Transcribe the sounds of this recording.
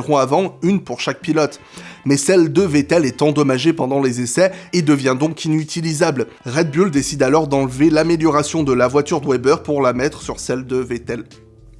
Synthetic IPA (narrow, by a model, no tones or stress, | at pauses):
ʁɔ̃avɑ̃ynpuʁʃak̚pilɔt̪ | mɛsɛld̪əvet̪ɛlɛt̪ɑ̃d̪ɔmaʒepɑ̃d̪ɑ̃lezesɛed̪əvjɛ̃d̪ɔ̃kʰinyt̪ʰilizabl | ʁɛd̪̚byld̪esid̪alɔʁd̪ɑ̃lvelameljɔʁasjɔ̃d̪əlavwat̪yʁd̪wɛbœʁpuʁlamɛt̪χəsyʁsɛld̪əvet̪ɛl